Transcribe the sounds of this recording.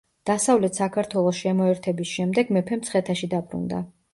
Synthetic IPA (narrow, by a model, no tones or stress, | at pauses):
d̪̥asavlɛt̪sakʰaɾt̪ʰwɛlˠɔsʃiɛmɔɛɾt̪ʰɛbisʃɛmd̪ɛɡmɛpʰɛmt̪sʰχɛt̪ʰaʃid̪abɾṵnd̪a̰